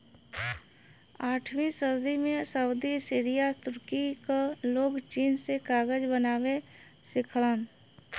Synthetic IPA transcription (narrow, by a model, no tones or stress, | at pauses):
aːʈʰmĩsəɾd̪imẽsəʊd̪isɪːɾijat̪ʊɾkikaloːɡt͡ʃiːnsekaːɡəd͡ʒbənaːwe | sɪkʰləːn